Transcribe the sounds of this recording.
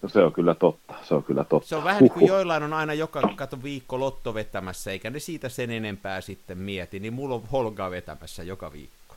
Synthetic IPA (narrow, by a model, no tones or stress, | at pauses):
noseoŋkylːæt̪ot̪ːɑ̥seoŋkylːˑæ̰t̪ot̪seoʋʋæhænikujjoilːɑinonɑinɑjokɑkɑt̪oʋiːkːolot̪ːoʋet̪ːæmæsːæeikænesiːt̪æsenenempæːsit̪ːemmiɛt̪inimmulːoʋholɡɑːʋet̪æ̰mæsːæjokɑʋḭːkːo̥